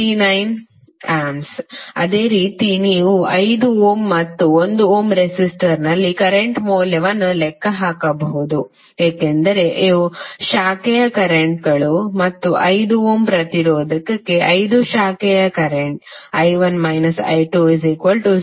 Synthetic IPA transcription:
inɐjn | aːmsɐ̰d̪e̞ːɾiːt̪iniːʋuɐjd̪uoːmːɐt̪ːuo̞nd̪uoːmɾesisʈɐɾnɐlːikɐɾeɳʈmoːljɐʋɐnːulɛkːɐɦaːkɐbɐɦud̪u | eːkend̪ɐɾe̞ʔiuʃaːkɛjɐkɐɾeɳʈ̚ɡɐɭumɐt̪ːuʔɐjd̪uoːmpɾɐt̪iɾoːd̪ɐkɐkːe̞ʔɐjd̪uʃaːkɛjɐkɐɾeɳʈ̚ɐjʋɐnmɐjnɐsɐ̰jʈuizikʋɐlʈu

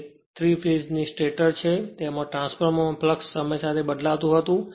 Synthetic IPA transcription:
t̪ʰɾifid͡ʒnisʈeʈəɾt͡ʃʰet̪emãʈɾãnsfʰəɾmõpləksːəməjsat̪ʰebəd̪lat̪ũɦət̪ũ

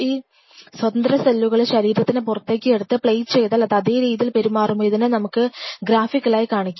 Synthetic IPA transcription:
iː | swɐt̪ɐnd̪rɐsɐlːuɣɐɭeɕɐɾiːɾɐt̪ːinɨpurɐt̪ːe̞ːkʲːɨeɽut̪ːɨpɭejt͡ɕe̞jt̪ːɐlːɐt̪ɐðeːɾiːðilpe̞ɾumaːrumojiðinɨnɐmukːɨɡɾaːfikːɐɭaːjikaːɳikʲːu

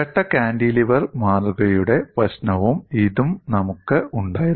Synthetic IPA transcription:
ɐʈːɐkaːnɖiliʋɐrmaːruɣɐjuɽe̞prɐɕnɐʋumiðumnɐmukːɨʔuɳɖaːjiɾ

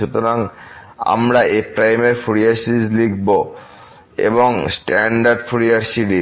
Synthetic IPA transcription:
ut̪oɾaŋ | a̰mɾaepɾajmeɾfʰuɾiaɾsiʈid͡ʑlikbo | ḛboŋsʈaɳɖaɾɖfʰuɾiaɾsiʈi

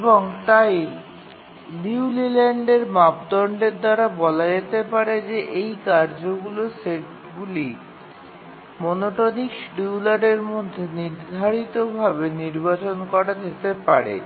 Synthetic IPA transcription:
eboŋt̪aj | liulileɳɖeɾmapd̪ɔɳɖeɾd̪aɾabɔlad͡ʑet̪epaɾed͡ʑeʔejkaɾd͡ʑoɡuloseʈ̚ | ɡuli | monoʈonikʃɖiwlaɖeɾmod̪ʱːeniɾd̪ʱaɾit̪obʱabeniɾbat͡ɕonkɔɾad͡ʑ̪et̪epaɾḛ

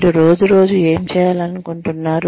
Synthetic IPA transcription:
ʈuɾoːd͡ʒuɾo̞ːd͡ʒue̞ːmt͡ʃɛːjaːlɐnukoɳʈunːaːɾu

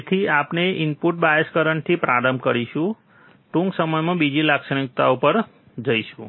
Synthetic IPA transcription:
t̪ʰiapneɪmpuʈ̚bajeskəɾəɳt̪ʰipɾaɾəmkəɾiʃũ | ʈũŋksəməjmãbid͡ʒilakʃəɳ̃ik̚t̪aupəɾ | d͡ʒəjʃũ

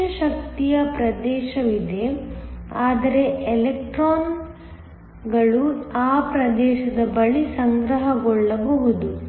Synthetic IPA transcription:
ɐʃɐk̚t̪ijɐpɾɐd̪ɛːʃɐʋid̪e̞ | aːd̪ɐɾe̞elek̚ʈɾoːn | ɡɐɭuaːpɾɐd̪ɛːʃɐd̪ɐbɐɭisɐŋɡɾɐɦɐɡɔɭːɐbɐɦud̪u

